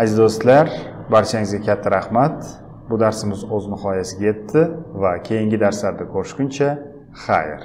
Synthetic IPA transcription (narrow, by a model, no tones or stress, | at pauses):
ad͡ʒ̪d̪ost̪laɾbaɾt͡ʃʰaŋɪzɡʲakʲʰat̪ʰːaɾahmat̪ | bʊd̪aɾsɪmɪzɵznɪχɒjasɪɡʲaje̞t̪ʰːɪvakʲʰe̞jɪŋɡʲɪd̪aɾslaɾd̪akʰoɾɪ̥ʃkʲʊnt͡ʃʰa | χa̰jɪɾ